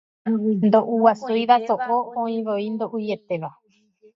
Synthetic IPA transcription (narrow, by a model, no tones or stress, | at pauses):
nd̪oʔuwasujʋasoʔoõĩβoind̪oʔujet̪eʋa